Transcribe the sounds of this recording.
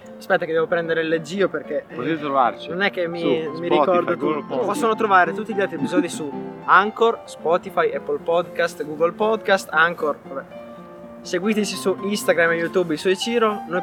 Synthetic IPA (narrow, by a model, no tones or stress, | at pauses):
spɛt̪ːaked̪ːɛvopɾɛnd̪eɾeled͡ʒiːoperk̟eot̪it̪ɾova̰rt͡ʃinonɛk̟ːemːimːiɾikɔrd̪it̪upɔsːonot̪ɾovaːɾet̪ut̪ːiʎːalt̪ɾiepizɔːd̪isuaŋkorspɔt̪ifajɛpːolpɔd̪kast̪ɡuːɡolpɔd̪kast̪aŋkorabɛ | seɡwiːt̪et͡ʃisuist̪aɡɾamːelːut̪uːbilsɔjt͡ʃiːɾono